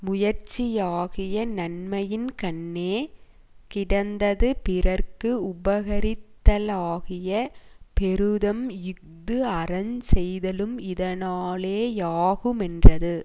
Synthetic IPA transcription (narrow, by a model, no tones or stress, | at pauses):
mʊjɐɾt͡ʃɪjaːɣɪjɐnɐnmɐjɪnkɐɳːeː | kɪɽɐnd̪ɐðɯpɪrɐɾkɯʊbɐɣɐɾɪt̪ːɐlaːɣɪjɐpɛɾɯðɐmjʊk̚ | d̪ɯɐrɐnsɛjðɐlɯmɪðɐnaːleːjaːɣɯmɛndrɐðɯ